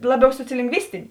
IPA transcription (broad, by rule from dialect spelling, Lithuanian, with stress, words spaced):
ˈlˠɑːˌbʲɛʊ soːt͡sʲoːlʲɪŋɡˈʋʲɪsʲtʲɪnʲeː